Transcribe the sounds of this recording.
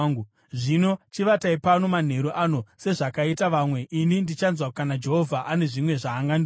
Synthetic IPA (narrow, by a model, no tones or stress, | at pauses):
ɡu | ʐino̞t͡ʃiʋataipano̞man̤e̞ɾuʔano̞se̞ʐakaitaʋamwe̞ʔinindit͡ʃanzwakanad͡ʒe̞ɦovʱaʔane̞ʐimwe̞ʐaːŋɡandi